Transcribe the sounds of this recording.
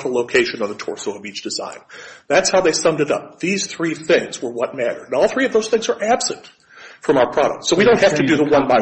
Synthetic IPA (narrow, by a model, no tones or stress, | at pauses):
ɾəloʊkʰeɪʃɨ̃nʌ˞ðətʰɔ̰ɹsoʊʌvit͡ʃd̥ɨzã̰ɪ̃nðætshaʊðeɪsʌ̃mdɨɾʌ̰p̚ðiz̥θɹiθɪ̃ŋzwə˞wʌt̚mæɾə̰̃˞nɔlˠθɹiʌvðoʊz̥θɪ̃ŋzə˞ʔæb̥sɨ̰̃nt | fɹʌ̃maʊə˞pʰɹ̥ɑɾə̰k̚tsoʊwiɾõʊ̃nt̚hæftɨdɨðəwʌ̃nbaɪ